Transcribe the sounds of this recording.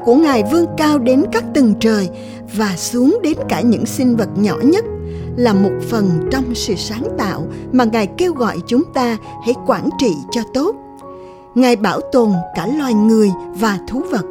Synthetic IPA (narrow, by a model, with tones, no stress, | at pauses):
ku˧˩əŋaː˨˩jvɨ˧əŋkaː˧wɗe˨˦nkaː˦˥k̚t̪ɨ˨˩ŋt͡ɕəː˨˩j | vaː˨˩su˨˦əŋɗe˨˦nkaː˧˩ɲɨ̰˧˥ŋsï˧ŋ̟və˨˩t̚ɲɔ˧˩ɲə˦˥t̚laː˨˩mo˨˩t̚fə˨˩nt͡ɕɔ˧wŋ͡msɨ̰˧˨saː˨˦ŋt̪a̰ː˧˨wmaː˨˩ŋaː˨˩jke˧wɣɔ̰˧˨jt͡ɕʊ˨˦ŋ͡mt̪aː˧ | hɛ̰˧˥˩jkwaː˧˩nt͡ɕḭ˧˨t͡ɕɔ˧t̪o˦˥t̚ | ŋaː˨˩jɓaː˧˩wt̪o˨˩nkaː˧˩lwaː˨˩jŋɨ˨˩əjvaː˨˩t̪ʰu˨˦və˨˩t̚